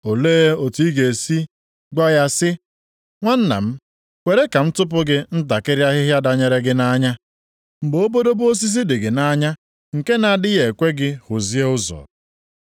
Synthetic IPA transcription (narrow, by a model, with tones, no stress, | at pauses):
o˨leː˦o˨ti˦i˦ɡe˨si˦ | ɡɔ˦ja˦sɪ˦ | ŋʷa˦n̩˦na̰˨m̩˦ | kʷe˨ɾe˦ka˨m̩˦tʊ˦p̬ʊ˦ɡɪ˦n̩˦ta˨kɪ˦ɾɪ˦a˦ɦɪ˦ɦja˦da˨ɲe˨ɾe˦ɡɪ˦na˦ɲa˦ | m̩˨bo˦bo˦do˦bo˦s̬i˦s̬i˦dɪ˨ɡɪ˨na˦ɲa˦ | ŋ̩˨ke˦na˨dɪ˦je˨kʷe˦ɡɪ˦hʊ˨zi˦e˦ʊ˦zɔ̰˨